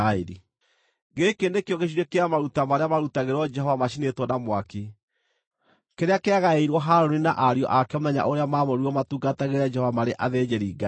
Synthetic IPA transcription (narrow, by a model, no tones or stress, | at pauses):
aeɾḭ | ɡekendekeɔɣeɕ̬iɾɛkeamaɾutamaɾeamaɾutaɣeɾɔd͡ʒɛhɔvamaɕinetwɔnamwaki | keɾeakeaɣaeiɾwɔɦaɾɔninaʔaɾiɔ̰ʔakɛɔmuðɛɲa̰ʔoɾeamamɔɾiɔmatuːɡataɣeɾad͡ʒɛhɔvamaɾeʔaðed͡ʒeɾiːɡa